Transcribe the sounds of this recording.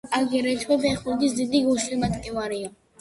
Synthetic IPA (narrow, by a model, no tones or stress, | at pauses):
aɡɛɾɛt̪ʰwɛpʰɛχulɡ̪is̬d̪id̪iɡuʃilmat̪ʼkʼɛvaɾia